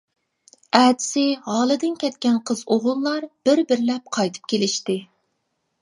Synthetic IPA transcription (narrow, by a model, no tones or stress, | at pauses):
ɛːd̪ɪ̥sɪɦɑːlˠɨd̪ɨnkʲʰɛt̪kʲɛnqʰəzoʁʊlˠːɑɾb̥ɪɾbɪɾlɛp̚qʰɑjt̪ʰɨ̥p̚kʲelɪʃt̪ɪ